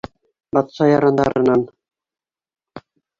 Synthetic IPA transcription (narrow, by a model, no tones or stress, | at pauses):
bɑt̪sɑjɑɾɑnd̪ɑ̰ɾɤ̆nɑn